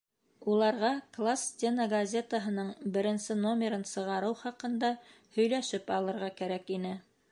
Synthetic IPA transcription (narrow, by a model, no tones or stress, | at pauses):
ulˠɑɾʁɑklˠast̪ʲenəɡɐzʲet̪əɦɤ̆nɤɴbɘ̆ɾɘ̆nsɘno̞mʲeɾɤnsɤ̆ʁɑɾɤwχɑqɤ̆nd̪ɑ | hɵ̆jlæʃɘpɑlˠɤ̆ɾʁɑkæɾækinɘ